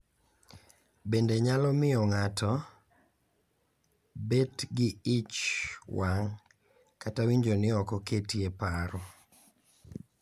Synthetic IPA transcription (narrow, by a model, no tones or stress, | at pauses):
bendeɲalɔmɪɔŋatɔ | betɡɪɪt͡ʃwaŋ | katawiɲd͡ʒonɪɔkɔketiepaɾɔ